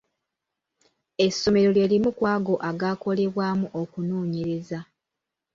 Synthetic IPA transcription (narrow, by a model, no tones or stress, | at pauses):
e̞sːo̞me̞ɾo̞le̞ːlimukwaːɡo̞ʔaɡaːko̞le̞βwaːmuʔokunuːɲeɾe̞za